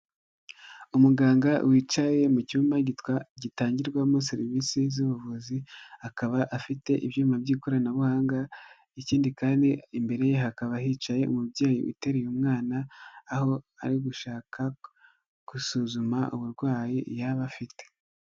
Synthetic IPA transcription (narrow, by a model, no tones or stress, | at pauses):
umuɡaːŋɡawiːt͡ʃaje̞mucuːmbaɟitwaɟitaːɲɟiɾɡwamos̬iɾivisizuβuvuzihakaβaʔːfite̞ʔiβjuːmabɟiːko̞ɾanaβuhaːŋɡa | iciːndikaːndiimbe̞ɾe̞jeɦakaβahiːt͡ʃaje̞ʔṵmubɟeːjḭʔṵte̞ɾijumŋaːnaːho̞ | a̰ɾiɡuʃaːkʰa | kusuzumaʔuβuɾɡwaːjijaβafite̥